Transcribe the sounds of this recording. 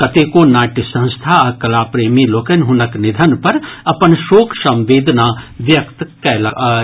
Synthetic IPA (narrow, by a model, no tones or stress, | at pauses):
kɐt̪eːkonaːʈisɐ̃nst̪ʰaɐkɐlaːpɾeːmiloːkənɦʊnəknɪd̪ʱənpɐɾɐpənʃoːkʰsɐ̃mʋeːd̪ʱnaːʋjɐkt̪kɛːla